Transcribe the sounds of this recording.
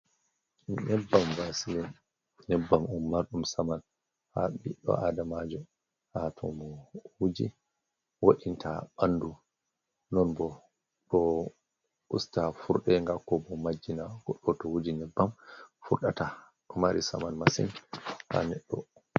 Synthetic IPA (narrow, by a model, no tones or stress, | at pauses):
nɛbːamvasilɛ | nɛbːamumːaɾɗumsaman | haɓiɗːɔ̰ʔadamad͡ʒɔ | hatʰɔ̰mɔwud͡ʒi | waɗintʰaɓandu | nɔnbɔ | ɗɔ | ṵstafuɾɗɛŋɡakːɔbɔmad͡ʒːinaɡɔɗːɔtɔhud͡ʒinɛbːamfuɾɗata | ɗɔmaɾisa̰manmasḭnha̰nɛɗːɔ